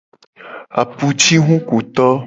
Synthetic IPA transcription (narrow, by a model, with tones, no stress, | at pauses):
a̰˨pu˨t͡ʃi˦ɦũ˦ku˨t̪ɔ˦